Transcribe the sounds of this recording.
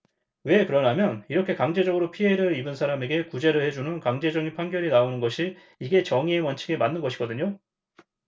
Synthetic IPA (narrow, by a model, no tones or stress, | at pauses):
we̞kɯɾʌnamjʌniɾʌkʰe̞kaŋd͡ʑe̞d͡ʑʌɡɯɾopʰieɾɯɾibɯnsʰaɾame̞ɡe̞kud͡ʑe̞ɾɯɭhe̞d͡ʑunɯnkaŋd͡ʑe̞d͡ʑʌŋipʰaŋɡjʌɾinaonɯnɡʌɕʰiː | ɡe̞t͡ɕʌŋiemwʌnt͡ɕʰiɡe̞manːɯnɡʌɕʰiɡ̥ʌdɯɲo